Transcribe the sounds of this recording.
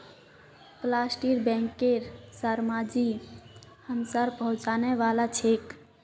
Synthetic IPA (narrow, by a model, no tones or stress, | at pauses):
plasʈiɾbɛ̃ŋkːeɾsəɾmad͡ʒi | həmsaɾpəɦũt͡ʃanɛʋalat͡ʃʰek